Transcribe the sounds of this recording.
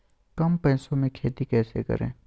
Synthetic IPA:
kɐmpɛ̃ːsõmẽkʰeːt̪ikɛːsḛkɐ̰ɾḛ̃ː

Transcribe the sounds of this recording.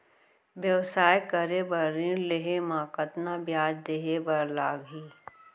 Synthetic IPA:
ʋjɐwsaːjkəɾebɐɾĩɾleɦemãːkət̪nabjaːd͡ʒd̪eːɦebɐɾlaːɡɦiː

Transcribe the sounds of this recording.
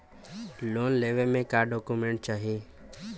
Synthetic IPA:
loːnleːʋelmẽkaːɖɔːkumẽːɳʈ̚t͡ʃaːɦieː

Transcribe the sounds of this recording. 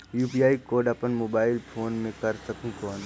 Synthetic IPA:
juːpijaːikoːɖɐpənmoːbaːɪlpʰoːnmẽkɐɾsɐkũkɔːn

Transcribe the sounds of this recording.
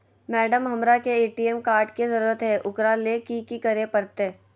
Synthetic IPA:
mɛːɖəmɦɐmɾakeeːʈiɛmkaːɾʈkizɐɾuːɾət̪ɦɛʔʊkɾalekikikɐɾepɐɾt̪e

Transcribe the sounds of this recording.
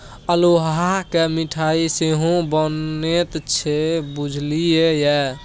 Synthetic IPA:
əloɦakemiʈʰaiseɦõbənet̪t͡ʃʰebud͡ʒʱlijejɛ

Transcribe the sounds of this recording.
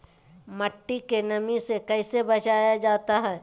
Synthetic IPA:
mɐʈːikenɐmisekɛɪsebɐt͡ʃaːjad͡ʒaːt̪aɦɛː

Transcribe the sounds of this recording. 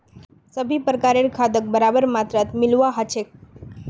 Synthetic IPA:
səbʱiːpɾəkaɾeɾkʰad̪ək̚bəɾabəɾmat̪ɾat̪milʋaɦat͡ɕʰek̚

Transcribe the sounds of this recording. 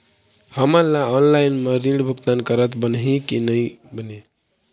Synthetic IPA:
həməɾlaɔnlajnmeɾiɳɖbʱəkt̪ankəɾət̪bənɦĩkinəjbəne

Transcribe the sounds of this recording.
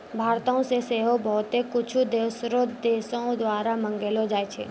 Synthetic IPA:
bʱaːɾt̪õseseːɦobɔːt̪ekʊt͡ʃʰud̪eːsɾod̪eːsõd̪waːɾamə̃ŋɡelod͡ʒaːet͡ʃʰḛː

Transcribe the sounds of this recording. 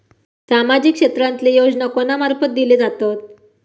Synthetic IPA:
samad͡ʑikʂet̪ɾãnt̪lejod͡ʑnakonamaɾpət̪̚d̪iled͡zat̪ot̪

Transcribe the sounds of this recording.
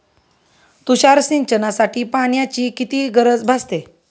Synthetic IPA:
t̪uɕaɾsiɲt͡ɕənasaʈiːpaɳ̃jat͡ɕiːkit̪iːɡəɾəd͡zbʱast̪e

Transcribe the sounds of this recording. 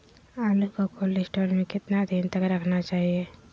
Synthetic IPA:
aːlukokʰʊlisʈoːlmẽkɪt̪nad̪ʱint̪əkɾɐkʰnat͡ʃaːɦie

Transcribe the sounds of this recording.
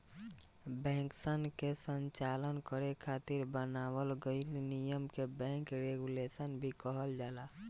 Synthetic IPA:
bɛ̃ːŋksənkesəɲt͡ʃaːlənkəɾekʰaːt̪ɪɾbənaːwəlɡəɪlnijəmkebɛ̃ːŋkɾeːɡuleːsənbʱikəɦəld͡ʒaːlaː

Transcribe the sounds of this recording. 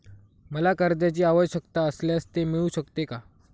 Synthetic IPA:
məlakəɾd̪jat͡ɕiːaʋəjɕəkt̪aəsljast̪emiɭuɕəkt̪eka

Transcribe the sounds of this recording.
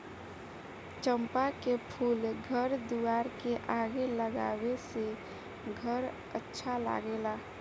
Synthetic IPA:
t͡ʃəmpakepʰuːlɡʱəɾd̪uaːɾkeʔaɡeləɡa̰ːwese | ɡʱəɾ | ətːʃʰala̰ɡelaː

